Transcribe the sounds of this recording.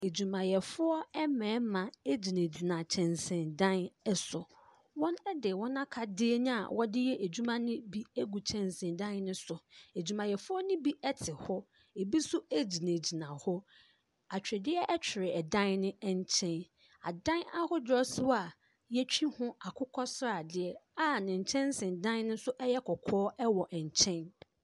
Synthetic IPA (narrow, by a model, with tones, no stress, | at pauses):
e˨d͡ʑu˨mã˨jɛ˨fʊ˦ɔ˦ɛ˦mɛ̃ː˨˦mã˨e˦d͡ʑi˨nẽ˨d͡ʑi˨nã˨t͡ɕʰɛ̃˨nsɪ̃˨ndã˦nɛ˦sʊ˨ | wɔ̃˦nɛ˦dɪ˨wɔ̃˦nã˦kʰa˨dɪ˦e˦ñ˦a̰˨wʔɔ˦dɪ˦jɛ˦ʔe˨d͡ʑu˦mã˦nɪ̃˦bi˦e˦ɡu˨t͡ɕʰɛ̃˨nsɪ̃˨ndã˦nnʊ̃˦sʊ˨e˨d͡ʑu˨mã˨jɛ˨fʊ˦ɔ˦nɪ̃˦bi˦ɛ˦tʰɪ˨hɔ˦ | e˨bi˦sʊ˦æ˦d͡ʑi˨nẽ˨d͡ʑi˨nã˨hɔ˦ | a˨t͡ɕᶣɾɪ˨dɪ˦ɛ˦ʔɛ˦t͡ɕᶣʰɪ˨ɾɪ˨ɛ˨dã˦nnɪ̃˦ɛ˨ɲ˦t͡ɕʰɛ̃˦n | a̰˨dã˦na˦hʊ˦dɾɔ˦sʊ˦a˨ | jɛ˦t͡ɕᶣi˦hʊ̃˦a˨kʰʊ˦kʰɔ˦sɾa˨dɪ˦ɛ˨a˦nɪ̃˨ɲ̩˨t͡ɕʰɛ̃˦n˦sɪ̃˨ndã˦nnʊ̃˦sʊ˦ʔɛ˦jɛ˦kʰɔ˨kʰɔː˦ɛ˦wɔ˨ʔɛ˨ɲ̩˨t͡ɕʰɛ̃˦n